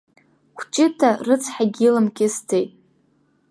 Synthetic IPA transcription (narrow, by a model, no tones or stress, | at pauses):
kʷʰt͡ʃʼɪtʰarɨt͡sʰħaɡʲilɨmkʲɪstʰejtʼ